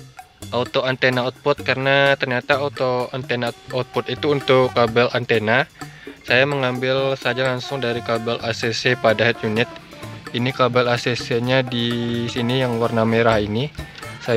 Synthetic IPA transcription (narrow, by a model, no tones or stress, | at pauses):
ʔaut̪oant̪enaɔt̪̚pɔt̪̚kaɾənat̪ərɲat̪aaut̪oant̪enaɔt̪̚pɔt̪it̪uːnt̪ʊkːabɛlʔant̪enasajaməŋambɪlsad͡ʒalaŋsʊŋdaɾikabɛlʔasesepadaɦɛt̪̚junɪt̪̚ | inikabalaseseɲadisinijaŋwarnameɾahinisa